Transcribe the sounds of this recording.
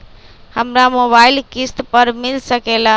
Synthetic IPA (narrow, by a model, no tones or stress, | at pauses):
həmɾamoβailkist̪pəɾmilsəkela